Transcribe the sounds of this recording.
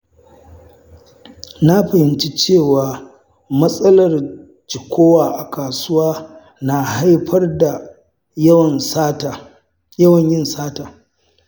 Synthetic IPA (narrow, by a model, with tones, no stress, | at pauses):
na˦ɸɐ˨hɪ˨nt͡ʃi˦t͡ʃeː˦˨waː˨ | mɐ˦sʼɐ˦lɐ˨r | d͡ʒɪ˨kʷʰoː˦waː˨ʔa˨kaː˨sʊ˦waː˦ | na˨ha˦jɸʰɐ˦rda˨ | ɐ˦˨n˦˨ | jɐ˦wɐ˨ɲjɪ˦nsaː˦taː˨